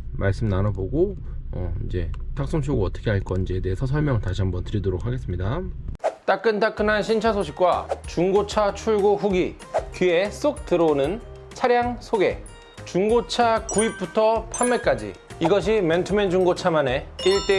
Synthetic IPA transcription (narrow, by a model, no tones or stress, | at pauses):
maɭs͈ɯmnanaboɡo | ʌ̰id͡ʑe̞̰tʰak̚s͈oŋɕ̬ʰoɡoʌt͈ʌ̥kʰeɦaɭk͈ʌnid͡ʑeede̞ɦesʰʌs̬ʰʌɭmjʌŋɯɭtaɕʰiɦambʌntɯɾidoɾok̚ʰaɡe̞s͈ɯmɲida | t͈ak͈ɯntak͈ɯnanɕʰint͡ɕʰasʰoɕʰi̥k̚k͈wa̰t͡ɕuŋɡot͡ɕʰat͡ɕʰuɭɡoɸuɡi | kie̞s͈ok̚tɯɾʌnɯn | t͡ɕʰaɾjaŋsʰoɡe̞̰ | t͡ɕuŋɡot͡ɕʰakuip̚p͈utʰʌpʰamːek͈ad͡ʑḭiɡʌɕ̬ʰimentʰɯmend͡ʑuŋɡot͡ɕʰamane̞iɭt͈e